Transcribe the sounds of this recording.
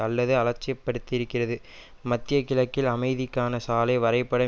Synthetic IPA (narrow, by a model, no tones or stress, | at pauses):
ɐlːɐðɯɐlɐt͡ʃːɪjɐpːɐɽɯt̪ːɪɪɾɯkːɪrɐðɯ | mɐt̪ːɪjɐkːɪlɐkːɪlɐmɐɪðɪkːaːnɐsaːlɐɪʋɐɾɐɪpːɐɽɐ